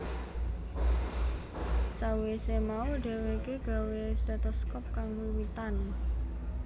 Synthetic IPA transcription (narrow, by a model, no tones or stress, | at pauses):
sawesemauɖ̥e̤wekeɡ̥a̤wesdat̪ɔskɔp̚kaŋwiwit̪an